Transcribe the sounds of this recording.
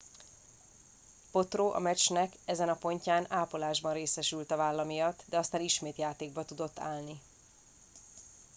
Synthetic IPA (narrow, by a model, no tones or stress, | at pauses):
po̞t̪roːʔɒ̰mɛt͡ʃnɛkɛzɛnɒpo̞ɲcaːnaːpolaːʒbɒnreːsɛʃylt̪ɒvaːlːɒmijɒt̪ːd̪ɛɒst̪aːniʃmeːt̪jaːt̪eːɡ̚bɒt̪ud̪o̞t̪ːa̰ːlni